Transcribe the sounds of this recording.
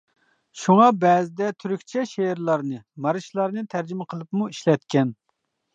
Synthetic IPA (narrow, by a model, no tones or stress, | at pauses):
ʃuŋɑbɛːzɪd̪ɛt̪ʰyɾykʲt͡ʃʰɛʃeɾlˠɑɾnɨmɑɾɨʃlˠɑɾnɨt̪ʰæɾd͡ʒimɪqʰəlˠɨpmuiʃlɛt̪kʲʰɛn